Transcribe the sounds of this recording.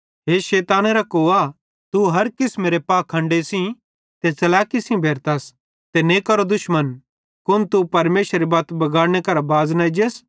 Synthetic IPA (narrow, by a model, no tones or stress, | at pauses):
ɦeːʃeːt̪aːneɾakoːa | t̪uɦɐɾkɪsmeːɾepaːkʰːɐ̃ɳɖesĩ | t̪et͡sɐlaːkɪsĩbʱeːɾt̪as | t̪enekɐɾod̪ʊʃmən | kʊnt̪upɐɾmeːʃɾibaːt̪bɐɡaːɽñekɐɾabaːznɐid͡ʒes